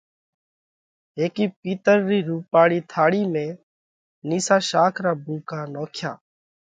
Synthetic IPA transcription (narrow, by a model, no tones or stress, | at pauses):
ɦeːkiːp̚iːt̪əɾːiːɾuːpaːɽiːt̪ʰaːɽiːmẽː | niːsaːʃaːkʰɾaːbũːkaːnoːkʰja̰ː